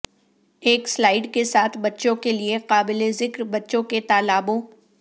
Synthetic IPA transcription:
eːkslaːɪɖkesaːt̪ʰbɐtːʃõkelieqaːbɪlezɪkɾbɐtːʃõket̪aːlaːbõ

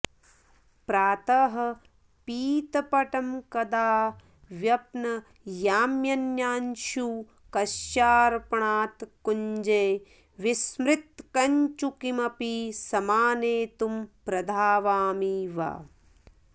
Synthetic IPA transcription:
pɾaːt̪ɐɦɐ̆ | piːt̪ɐpɐʈɐmkɐd̪aː | ʋjɐpnɐ | jaːmjɐnjaːnʃuː | kɐʃjaːɾpɐɳaːt̪kuɲd͡ʒeː | ʋismɾɪt̪̚kɐɲt͡ʃukimɐpisɐmaːneːt̪umpɾɐd̪ʱaːʋaːmiːʋa̰ː

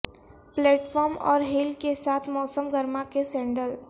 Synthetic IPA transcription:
pleːʈfʰɔːɾmɔ̰ːɾɦiːlkesaːt̪ʰmɔːsəmɡəɾmakesɛ̃ːɳɖəl

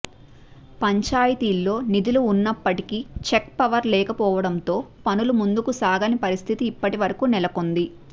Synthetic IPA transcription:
pɐɲt͡ʃaːjɐt̪iːlːo̞ːnid̪uluːnːɐpːɐʈikit͡ʃekpɐʋɐɾlɛːkɐpɔːʋɐɽɐnt̪o̞ːpɐnulumund̪ukusaːɡɐnipɐɾist̪ʰit̪iːpːɐʈiʋɐɾɐkuːnɛlɐkond̪i

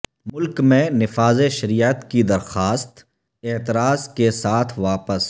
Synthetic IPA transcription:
mʊlkmẽnɪfaːzeʃɐɾiːət̪kid̪ɐɾxaːst̪ | ɪːt̪ɪɾaːzkesaːt̪ʰʋaːpəs

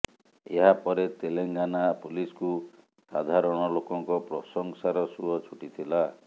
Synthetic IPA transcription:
ḛɦapɔɾet̪eleŋɡanapulisku | sad̪ʱaɾɔɽ̃ɔlokɔŋkɔpɾɔsɔŋsaɾɔsuɔt͡ʃʰuʈit̪ʰila

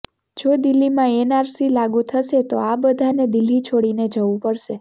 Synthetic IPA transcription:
d͡ʒod̪ɪlːimãenaɾsilaɡũt̪ʰəʃet̪oabəd̪ʱaned̪ɪlːit͡ʃʰoɽined͡ʒəʋũpəɽʃe

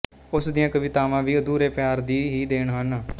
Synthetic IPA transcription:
ʊsd̪ijãːkəʋɪt̪aːʋãːʋiːəd̪uːɾeːpɪjaːɾd̪iːɦiːd̪eːɳ̃ɦən

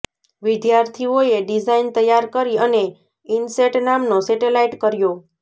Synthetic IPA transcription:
ʋid̪jaɾt̪ʰioeɖid͡ʒaint̪əjːaɾkəɾiəne | inseʈnamnoseʈelaiʈkəɾjo

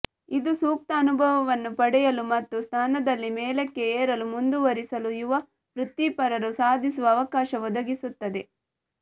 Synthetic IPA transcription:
id̪usuːk̚t̪ɐːnubʱɐʋɐʋɐnːupɐɽɛjɐlumɐt̪ːust̪ʰaːnɐd̪ɐlːimeːlekːe̞eːɾɐlumund̪uʋɐɾisɐlujuʋɐ | pɾut̪ːipɐɾɐɾusaːd̪ʱisuʋɐːʋɐkaːʃɐɔd̪ɐɡisut̪ːɐd̪e̞

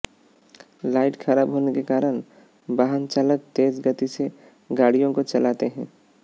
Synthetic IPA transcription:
laːɪʈxʰɐɾaːbɦoːnekekaːɾəɽ | baːɦənt͡ʃaːlək̚t̪eːd͡ʒɡət̪ise | ɡaːɽijõkot͡ʃɐlaːt̪eɦɛ̃ː

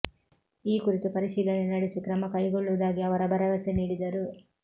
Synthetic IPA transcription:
iːkuɾit̪upɐɾiʃiːlɐnenɐɽisikɾɐmɐkɐjɡoɭːuʋɐd̪aːɡiɐʋɐɾɐbʱɐɾɐʋɐseniːɽid̪ɐɾu

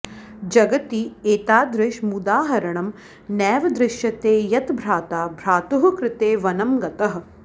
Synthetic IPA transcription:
d͡ʒɐɡɐt̪iːeːt̪aːd̪ɾɪʃmud̪aːɦɐɾɐɳɐm | nɛːʋɐd̪ɾɪʃjɐt̪eːjɐt̪bʱɾaːt̪aːbʱɾaːt̪uɦɐkɾɪt̪eːʋɐnɐmɡɐt̪ɐɦ̆

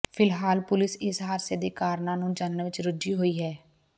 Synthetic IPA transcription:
pʰɪlɦaːlpʊlɪsɪsɦaːɾseːd̪eːkaːɾnãːnũːd͡ʒanːəʋɪt͡ʃɾʊd͡ʒiːɦoːiːɦɛː

